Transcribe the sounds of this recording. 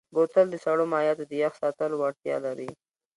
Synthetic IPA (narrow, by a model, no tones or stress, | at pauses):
bot̪əld̪əsaɽomɑjɑt̪od̪əjaxsɑt̪əlwaɽt̪jɑ̰laɾi